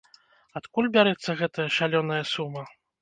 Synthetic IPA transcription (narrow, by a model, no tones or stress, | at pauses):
at̪kulʲbʲaɾɛt̪sːɐɣɛt̪ɐjɐʂalʲɔnɐjɐsumɐ